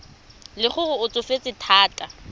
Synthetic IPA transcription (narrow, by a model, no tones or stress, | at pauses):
lɪχʊɣʊʊt͡sʼʊfet͡sʼɪtʰaːtʼa